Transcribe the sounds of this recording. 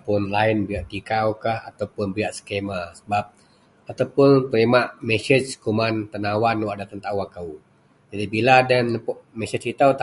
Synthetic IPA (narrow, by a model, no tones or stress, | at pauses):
pʊnlaɪnbiaʔt̪ikawkaha̰t̪awpʊnbiaʔsə̥kemasəbap̚ | at̪awpʊnt̪əimaʔmesət͡ʃkumant̪ənawanwaʔadat̪ənt̪aʔwaŋkau | d͡ʒadibiladənləpɔʔmɛsət͡ʃit̪at̪